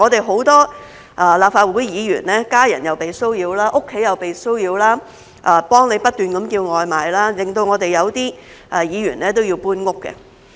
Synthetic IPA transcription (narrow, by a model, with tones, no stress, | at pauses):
ŋɔː˨˧t̪e˨jɦo˨˥wt̪ɔː˥ | ʔa˨˧laː˨pfaː˧t̚wu˨˥jjiː˨˧jy̰ː˨˩nlɛː˥kaː˥jɐ̰˨˩njɐ˨wpe˨jsɵ˥wjiː˧wlaː˥ʔʊ˥kʰːe˨˥jɐ˨wpe˨jsɵ˥wjiː˧wlaː˥ | ʔa˨pɔː˥ŋne˨˧jpɐ˥t̚t̪yː˨nkɐ˨˥mkiː˧wŋɔː˨jmaː˨jlaː˥lɪ˨˩ŋt̪o˧wŋɔː˨˧t̪e˨jɐ˨˧wt̪iː˥ | ʔɛ˨˧jiː˨˧jy̰ː˨˩nlɛː˥t̪̬o˥wji˧wpuː˥nŋʊ˥kːɛ̰˧